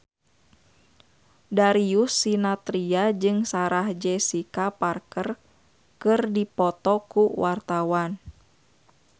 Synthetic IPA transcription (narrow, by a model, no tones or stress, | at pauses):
daɾiusːinat̪ɾiad͡ʒɨŋsaɾahd͡ʒɛsikaparkər | kɨrdipɔt̪ɔkuwart̪awan